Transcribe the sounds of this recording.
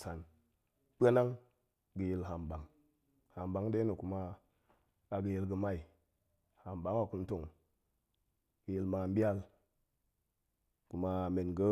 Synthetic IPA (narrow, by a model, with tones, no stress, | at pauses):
sa˨n | k͡pe˦na˦ŋ | ɡə˨ji˨lɦa˨mba˨ŋ | ha˨mba˨˦ŋde˦nu˨ku˨ma˦ | a˨ɡə˨ji˦lɡə˨ma˦i˨ | ha˨mba˨˦ŋwa˨ku˦n˦to˦˨ŋ | ɡ̥ə˨ji˨lma˨m˦bi˦a˦l | ku˨ma˨me˨nɡə˦